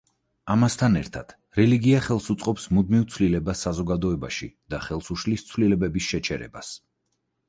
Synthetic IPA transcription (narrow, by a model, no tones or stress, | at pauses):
amast̪ʰanɛ̰ɾt̪ʰad̪̥ | ɾɛliɡiaχɛlˠsut̪sʼqʼɔpsmud̪mivt̪sʰvlilɛbasːazɔɡad̪ɔɛba̰ʃḭd̪̥aχɛlˠsuʃlist̪sʰvlilɛbɛbisʃɛt͡ʃʰɛɾɛ̰bas